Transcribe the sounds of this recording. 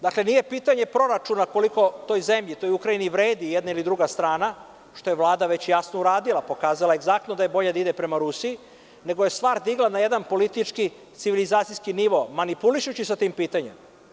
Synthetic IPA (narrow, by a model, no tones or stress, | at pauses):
d̪akle̞nije̞piːt̪aɲe̞pɾo̞ɾat͡ʃunako̞liko̞t̪o̞jze̞mʎit̪o̞jukɾainiʋɾe̞ːd̪ijed̪nailid̪ɾuɡast̪ɾaːna | ʃt̪o̞je̞ʋlˠaːd̪aʋe̞t͡ɕjasno̞uɾaːd̪ilˠapo̞kaːzalaeɡzak̚t̪nod̪aje̞bo̞ʎad̪aid̪epɾe̞maɾusiː | ne̞ɡoje̞st̪ʋaːɾd̪iɡlˠanaje̞d̪anpo̞lit̪it͡ʂki | t̪siʋilizaːt̪sijskiniʋo̞manipuliʃut͡ɕisat̪iːmpiːt̪aɲem